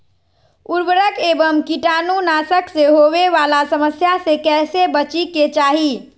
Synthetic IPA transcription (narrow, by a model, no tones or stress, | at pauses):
uɾbɾəkebəmkiʈanunasəkseɦoʋeʋalasəməsjasekɛːsebət͡ʃiket͡ʃaɦi